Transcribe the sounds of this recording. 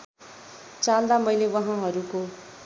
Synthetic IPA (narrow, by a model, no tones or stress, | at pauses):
t͡sald̪amʌjlewʌɦãɦʌɾuko